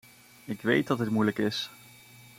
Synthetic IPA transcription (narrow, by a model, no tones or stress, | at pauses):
ɪkʋejt̚dɑtɦətmujləkɪs